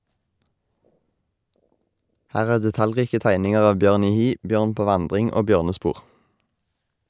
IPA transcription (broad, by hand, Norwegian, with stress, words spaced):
ˈhæːʁ ˈæːʁ dɛˈtɑlˌʁiːkə ˈtæɪnɪŋəʁ ˈɑːʋ ˈbjøːʁn ˈiː ˈhiː ˈbjøːʁn ˈpoː ˈʋɑndʁɪŋ ˈoː ˈbjøːʁnəˌspuːʁ